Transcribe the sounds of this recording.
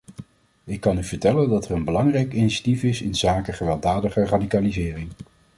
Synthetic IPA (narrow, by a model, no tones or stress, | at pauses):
ɪkːɑnyvəɹtɛləndɑtɛrənbəlɑŋrɛjkiniʃatifɪsɪnzaːkəχəʋɛlˠdaːdəχəradikalizɪːrɪŋ